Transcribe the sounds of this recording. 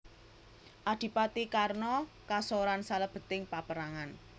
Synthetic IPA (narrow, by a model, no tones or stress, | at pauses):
ʔad̪̥i̤pat̪ikarnɔ | kasɔɾansaləb̥ə̤t̪ɪŋpapəɾaŋan